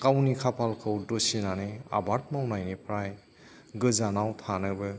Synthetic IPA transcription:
kawnikʰapʰalkʰɯwdosinanea̰baɾt̚mawnajnipʰɾaj | ɡɯzanawtʰanɯbɯ

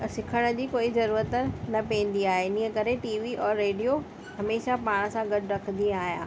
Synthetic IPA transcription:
sɪkʰəɽ̃d͡ʑiːkoːizɐɾuːɾət̪nɐpɛ̃n̆d̪iaːɦenĩːə̃kɐɾeʈiːʋiʔɔːɾːeːɖijo | hɐmeːʃapaːɽ̃ə̆sãɡɐɖɾɐkʰnd̪ĩaːɦijã̰ː

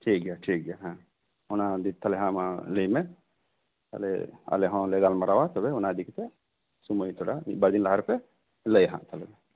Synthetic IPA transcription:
ʈʰiːk̚ɡjaʈʰik̚ɡjaɦã | ʊnad̪it̪ʰalɛɦãmaləjmɛ | t̪a̰lɛ̰a̰lɛɦɔ̃lɛɡalmaɾawat̪ɔbɛʊnad̪ikt̪ɛ | suməjt̪ʰɔɽa̰bad̪inlaɦaɾpɛ | ləjɦã̰ʔt̪ʰalɛmɛ

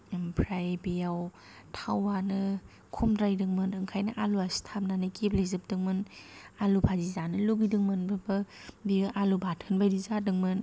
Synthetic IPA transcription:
pʰɾajbijaw | tʰawanɯ | kʰumdɾajdɯŋmɯnɯŋkʰajnaʔaluasi̥tʰap̚nanɯkeplezɯp̚dɯŋmɯnalupʰazizanɯluɡidɯŋmɯnbɯbɯbiʔalubat̚ʰhɯnbajdizadɯŋmɯn

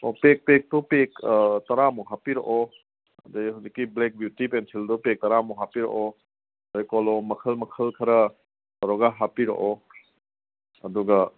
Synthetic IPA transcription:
ɔpek̚pek̚tupektɐɾamuɦapiɾɐ̰ʔɔ | ɐ̰dɐjɦazikːiblek̚bjutipensʰildupek̚tɐɾamuɦapiɾɐ̰ʔɔ | ɐdɐjkɔlɔmɐkʰɐlmɐkʰɐlkʰɐɾɐ | ɾɔɡaɦapiɾɐ̰ʔɔ | ɐduɡɐ

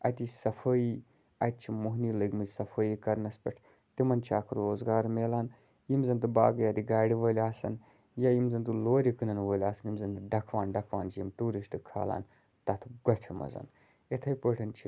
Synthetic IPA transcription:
ɐ̰t̪isɐfʰəːji | ɐt̪̚t͡ʃʰimuɦniːləɡmɨzʲsɐfʰəːjiːkɐɾnɐspʲɐʈʰ | t̪imɐnt͡ʃʰaːkʰɾoːzɡaːɾmeːlaːn | jimzɐnt̪̬ɨbaːɡɐjad̪iɡaːɽiʋəːlʲaːsɐ̰n | jajimzɐnt̪uloːɾikɨnɐnʋəːlʲaːsɐnimzɐnt̪ɨɖɐkʰʋaːnɖɐkʰʋaːnt͡ʃʰjimʈuːɾisʈɨkʰa̰ːla̰ːn | t̪ɐt̪ʰɡɐpʲʰimɐ̰zɐ̰n | et̪ʰɐjpəːʈʰɐnt͡ʃʰi

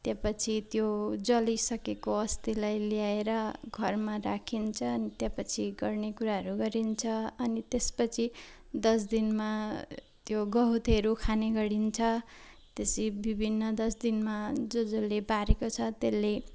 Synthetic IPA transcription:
t̪jãpʌt͡sʰit̪jod͡zʌlisʌkekoʌst̪ilajljaeɾʌɡʱʌrmarakʰint͡sʰʌːnit̪jãpʌt͡sʰiɡʌrnekuɾaɦʌɾuɡʌɾint͡sʰʌʌnit̪espʌt͡sʰi | d̪ʌs̬d̪inma | t̪joɡʌɦut̪eɾukʰaneɡʌɽint͡sʰʌ | t̪esibibʱinːʌd̪ʌsd̪inmad͡zod͡zolːebaɾekot͡sʰʌt̪elːe

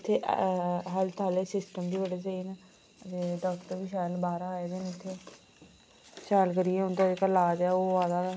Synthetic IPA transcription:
ɪt̪ʰːeːʔɦəlt̪ʰaːleːsɪsʈəmd̪iːbəɽeːt͡ʃəiːna | ət̪eːɖɔːkʈəɾʋiːʃaːlbaːɾaːeːd̪enɪt̪ʰːeː | ʃaːlkəɾiːɛːʊnt̪aɪkəlaːd͡ʒɛːoːʋaːd̪aː

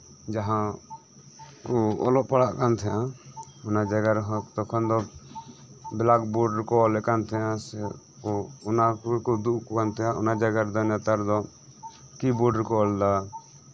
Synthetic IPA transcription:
d͡ʒaɦã | uɔ̰lɔʔpaɽaʔkant̪ʰɛjã | ɔnad͡ʒaɡaɾɦɔ̃t̪ɔkʰɔnd̪ɔ | bɛlakbɔɖɾkɔlɛkant̪ʰɛjãsɛ | ɔɔnakɔd̪uʔkɔkant̪ʰɛjãʔɔnad͡ʒaɡaɾd̪ɔnjat̪aɾd̪ɔ | kibɔɖɾkɔld̪a

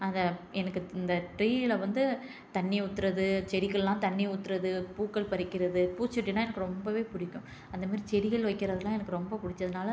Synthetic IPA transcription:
ɐnd̪ɐɛnɐkːɯɪnd̪ɐʈɾiːɪlɐʋɐnd̪ɯ | t̪ɐɳːiʊt̪ːɪɾɐðɯt͡ʃɛɽɪɣɐɭlãːt̪ɐɳːiʊt̪ːɯɾɐðɯpuːkːɐɭpɐɾɪkːɪɾɐðɯpuːt͡ʃːɐʈːɪnaːɛnɐkːɯɾɔmbɐʋeːpʊɽɪkʲːʊ̃ | ɐnd̪ɐmaːɾit͡ʃɛɽɪɣɐɭʋɐɪkːɪɾɐðɯlãːɛnɐkːɯɾɔmbɐpʊɽɪt͡ʃːɐðɯnaːlɐ

